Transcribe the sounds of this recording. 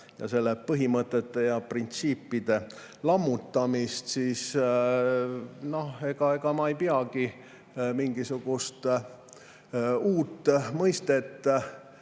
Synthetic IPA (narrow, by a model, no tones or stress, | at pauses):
jɑ̰se̞lːepɤɦimət̪ːˑet̪ːe̞jɑprint̪siːpːˑid̪̥e̞ | lɑmːut̪ːˑɑmist̪siːs | no̞he̞ɡ̥ɑe̞ɡ̥ɑmɑejpiɑɡi | miŋɡisuɡ̥ust̪ | uːt̪ːˑmɤjst̪e̞t̪ː